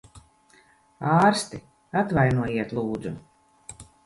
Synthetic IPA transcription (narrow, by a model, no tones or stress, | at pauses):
aːɾst̪i | at̪vajnuɔjiɛt̪lˠuːd̪zu